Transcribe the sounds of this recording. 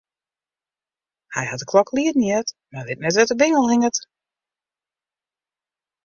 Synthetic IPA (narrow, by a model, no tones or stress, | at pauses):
hɛ̰jhat̚əkʰlɔkʰliətn̩jɛtmalɪtnɛtʋɛtəbɪŋəlˠhɪŋət